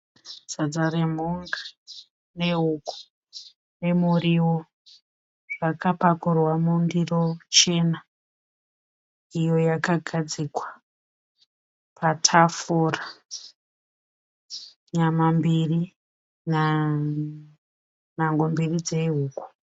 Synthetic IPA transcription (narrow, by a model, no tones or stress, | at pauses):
z̥ad͡zaɾem̤uŋɡḁ | ne̞ɦuku̥ | ne̞muriwo | ʐ̥akapakurwamundirot͡ʃe̞ːna | ijo̞jakaɡʱad͡zikwa | pʰatʰafora | ɲamambiri | na | naŋɡombirid͡ze̞ɦuːku̥